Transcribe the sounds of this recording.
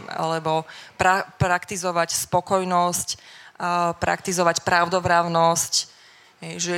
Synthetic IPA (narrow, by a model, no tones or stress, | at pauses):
a̰lɛbɔpɾapɾakt̪izɔʋacspɔkɔjnɔsc | pɾa̰kt̪izɔʋacpɾaʊd̪ɔvɾaʊnɔsc | ɦɛjʒɛ